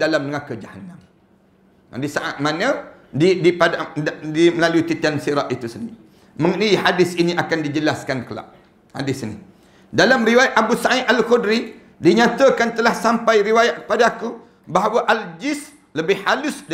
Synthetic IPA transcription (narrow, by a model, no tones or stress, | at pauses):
dalamnəŋakəd͡ʒahanam | a̰disaʔa̰t̪̚manə̃ | didipadadiməlalut̪it̪iansiɾaʔit̪usən | məŋəniɦadɪsiniʔakandid͡ʒəlaskankəla̰ʔ̚ | ha̰dɪsini | dalamɾiwajaʔabusaiʔalkudɾi | diɲat̪əkant̪əlahsampajɾiwajaʔ̚kə̥padaku | baɦawaʔald͡ʒɪs | ləbɪhhalʊsd